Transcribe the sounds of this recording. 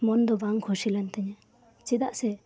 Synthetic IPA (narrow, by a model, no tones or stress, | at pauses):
mɔnd̪ɔbaŋkʰɔsilɛnt̪ɛɲɛ | t͡ʃid̪aʔsɛ